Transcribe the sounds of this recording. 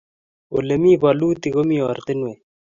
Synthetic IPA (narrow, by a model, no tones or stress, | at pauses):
o̰lemiːbaːluːt̪iɣomiːoːɾt̪enwe